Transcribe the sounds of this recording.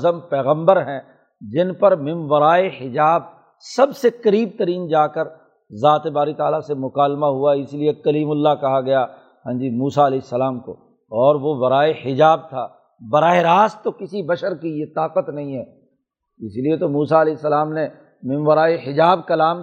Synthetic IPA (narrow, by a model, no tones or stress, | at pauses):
zəmpɛːɣə̃mbəɾɦɛ̃ | d͡ʒɪnpɐɾmɪ̃nʋɐɾaːehɪd͡ʒaːb | sɐbsekɐɾiːb̚t̪ɐɾiːnd͡ʒaːkəɾ | zaːt̪ebaːɾit̪aːlasemʊkaːlmaɦuaɪsiliekɐliːmʊlːakɐɦaɡɐja | ɦɛ̃ːd͡ʒimuːsaɐlɛːsːɐlaːmko̰ | ɔːɾʋoʋɐɾaːehɪd͡ʒaːb̚t̪ʰaː | bɐɾaːeɾaːst̪ːokɪsibɐʃəɾkijet̪aːqət̪nɐɦĩɦɛː | ɪsliet̪omuːsaɐlɛːsːɐlaːmne | mɪ̃nʋəɾaːeɦɪd͡ʒaːbkɐlaːm